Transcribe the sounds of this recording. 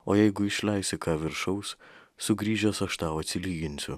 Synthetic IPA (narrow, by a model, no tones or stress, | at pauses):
oːjɛɪɡʊɪʃʲlʲɛɪsʲɪkɑːʋʲɪɾʃɒʊs | sʊɡɾʲiːʒʲɛsɐʃt̪ɑːʊɐt̪ʲsʲɪlʲiːɡʲɪnʲsʲʊ